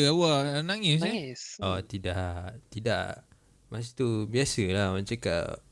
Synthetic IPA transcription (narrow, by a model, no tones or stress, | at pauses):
awanaŋis̬ɲəsɔt̪idaʔt̪ida̰ʔ | mas̬it̪ubiasəlahmat͡ʃaka̰ʔ